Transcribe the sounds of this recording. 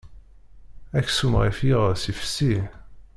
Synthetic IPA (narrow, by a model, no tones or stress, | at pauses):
æksumʁifiʁsifə̥si